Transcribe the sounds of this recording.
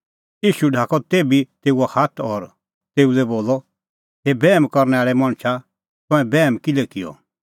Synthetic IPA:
iːʃuɖʱaːkɔt̪eːbit̪eːuahaːt̪ʰɔːɾ | t̪eːulɛboːlːɔ | ɦebɛːmkɔɾnɛaːɭɛmãɽ̃t͡ʃʰa | t̪ɔ̃ɛ̃bɛːmkilekɪjɔ̰

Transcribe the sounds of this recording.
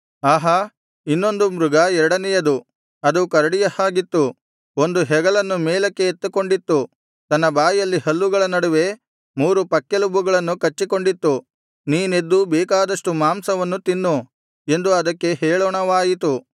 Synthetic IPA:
aːɦɐ | inːo̞nd̪umɾuɡɐɛɾɐɽɐnɛjɐd̪u | ɐd̪ukɐɾɐɽijɐhaːɡit̪ːu | o̞nd̪uɦɛɡɐɭɐnːumɛːlɐkːe̞ːt̪ːuko̞ɳɖit̪ːu | t̪ɐnːɐbaːjjɐlːihɐlːuɡɐɭɐnɐɽuʋe̞ | muːɾupɐkːelubuɡɐɭɐnːukɐt͡ʃːiko̞ɳɖit̪ːu | niːne̞d̪ːubɛːkaːd̪ɐʂʈumaːmsɐʋɐnːut̪inːu | e̞nd̪uɐd̪ɐkːe̞ɦɛːɭɔːɳɐʋaːjit̪u

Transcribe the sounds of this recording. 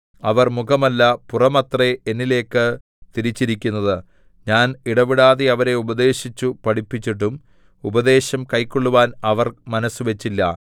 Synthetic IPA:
ɐʋɐrmuɣɐmɐlːɐpurɐmɐt̪reenːile̞ːkːɨ | t̪iɾit͡ɕːiɾikʲːunːɐðɨ | ɲaːniɽɐʋiɽaːðeɐʋɐɾe̞ubɐd̪e̞ːɕit͡ɕːupɐɽipːit͡ɕːiʈ̬ːum | ubɐd̪e̞ːɕɐmkɐjkːoɭːuʋaːnɐʋɐrmɐnɐsːuʋe̞t͡ɕːilːɐ̰

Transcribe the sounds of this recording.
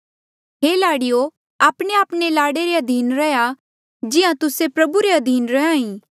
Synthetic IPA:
ɦeːlaːɽɪjo | aːpɽ̃eaːpɽelaːɽeɾeɐd̪ʱiːnɾɐja | d͡ʒɪãt̪ʊsepɾɐbuɾeɐd̪ʱiːnɾɐãːĩː

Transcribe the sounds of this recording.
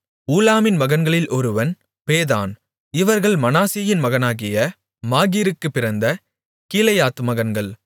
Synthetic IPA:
uːlaːmɪnmɐɣɐnɡɐɭɪlʔɔɾɯʋɐn | peːða̰ːn | ɪʋɐɾɣɐɭmɐnaːsijɪnmɐɣɐnaːɣɪjɐ | maːɣiːɾɯkːɯpːɪɾɐnd̪ɐ | kiːlɐjaːt̪ɯmɐɣɐnɡɐɭ

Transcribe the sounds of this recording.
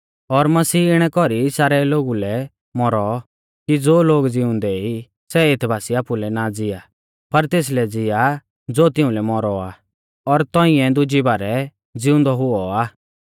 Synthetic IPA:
ɔɾmɐsiːɪɽ̃ɛkɔɾisaːɾɛloːɡulɛ | mɔɾɔ | kid͡zoːloːɡd͡zɪʊ̃nd̪ɛi | sɛet̪ʰbʱaːsiaːpulɛnad͡zɪa | pɐɾt̪eːs̬lɛd͡zɪja | d͡zoːt̪ɪ̃ʊ̃lɛmɔɾɔaː | ɔɾt̪ɔ̃ːɪ̃ɛ̃d̪ʊd͡ʒibaːɾɛ | d͡zɪʊ̃nd̪ɔɦʊɔaː

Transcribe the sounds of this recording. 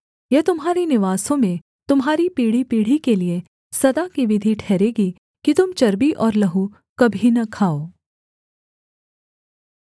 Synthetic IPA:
jɐɦt̪ʊmɦaːɾinɪʋaːsõmẽ | t̪ʊmɦaːɾipiːɽ̤ipiːɽ̤ikelie | sɐd̪akiʋɪd̪ʱiʈʰɛːɾeːɡi | kit̪ʊmt͡ʃɐɾbiʔɔːɾlɐɦu | kɐbʱinɐkʰaːoː

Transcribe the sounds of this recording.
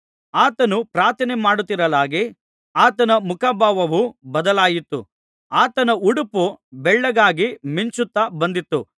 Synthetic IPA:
aːt̪ɐnupɾaːɾt̪ʰɐnemaːɽut̪ːiɾɐlaːɡi | aːt̪ɐnɐmukaːbʱaːʋɐʋubɐd̪ɐlaːjit̪ːṵ | aːt̪ɐnɐuɽupubɛɭːɐɡaːɡimiɲt͡ʃut̪ːabɐnd̪it̪ːu

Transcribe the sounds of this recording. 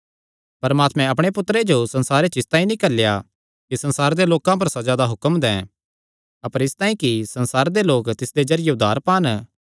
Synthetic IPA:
pɐɾmaːt̪mɛ̃ɐpɽ̃epʊt̪ːɾed͡ʒosɐ̃nsaːɾet͡ʃɪst̪aːĩnĩkɐlja̰ | kisɐ̃nsaːɾd̪eloːkãpɐɾsɐd͡ʒaːd̪aɦʊkəmd̪ɛ̰̃ː | ɐpəɾɪst̪aːĩkisɐ̃nsaːɾd̪eloːkt̪ɪsd̪ed͡ʒɐɾɪjeʊd̪ʱːaːɾpãːn

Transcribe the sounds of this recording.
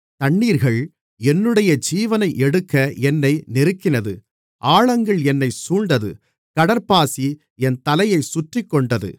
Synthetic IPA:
t̪ɐɳːiːɾɣɐɭ | ɛnːɯɽɐjɐd͡ʒiːʋɐnɐɪʔɛɽɯkːɐɛnːɐɪnɪɾɯkːɪnɐðɯ | ʔaːɻɐŋɡɐɭɛnːɐɪsuːɳɖɐðɯ̰ | kɐɽɐɾpaːsi | ɛnt̪ɐlɐjɐɪsʊʈrɪkːɔɳɖɐðɯ̰

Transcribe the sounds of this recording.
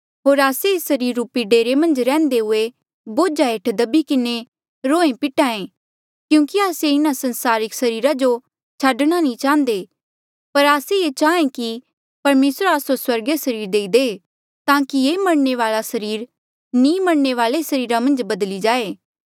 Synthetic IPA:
ɦoːɾaːseeːsɐɾiːɾːuːpiɖeːɾemɐ̃nd͡ʒɾɛ̃ːnd̪eɦʊe | boːd͡ʒaeːʈʰd̪ɐbikɪne | ɾoːẽpɪʈãːẽ | kjũːkiaːseɪnasɐ̃nsaːɾɪksɐɾiːɾad͡ʒo | t͡ʃʰaːɖɽ̃anĩt͡ʃãːə̃nd̪e | pɐɾaːseet͡ʃaːẽki | pɐɾmeːsɾaːsoswɐɾɡesɐɾiːɾd̪eːid̪e | t̪ãːkieːmɐɽneʋaːlasɐɾiːɾ | nĩmɐɽneʋaːlesɐɾiːɾamɐ̃nd͡ʒbɐd̪lid͡ʒaːeː

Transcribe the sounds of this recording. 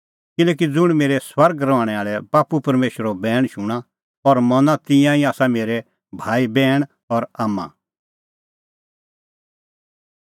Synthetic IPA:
kɪlɛːk̬id͡zʊɽ̃meːɾɛswɐɾɡɾɔʋaːɽ̃ɛaːɭɛbaːpupɐɾmeːʃəɾobɛːɽ̃ʃʊɽ̃ã | ɔɾmɐnat̪ɪ̃jãiaːsameːɾɛ | bʱaːibɛːɽ̃ | ɔɾaːmːa̰

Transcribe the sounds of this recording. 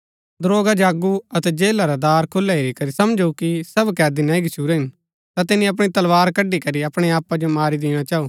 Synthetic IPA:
d̪ɾoːɡad͡ʒaːɡuɐt̪ɛd͡ʒeːlaɾad̪aːɾkʰʊlːaɦeːɾikɐɾisɐmd͡ʒukisɐbkɛːd̪inãĩɡɪt͡ʃʰuːɾeɦɪn | t̪at̪ɪnĩɐp̬ɽ̃it̪ɐlʋaːɾkɐɖikɐɾiɐpɽ̃eaːpad͡ʒomaːɾid̪ɪːɽ̃at͡ʃaːuː

